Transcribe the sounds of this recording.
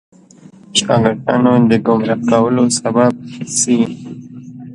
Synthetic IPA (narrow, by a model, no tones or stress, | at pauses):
ʃɑɡəʈɑ̰nod̪əɡʊmɾakawəlosabab̚si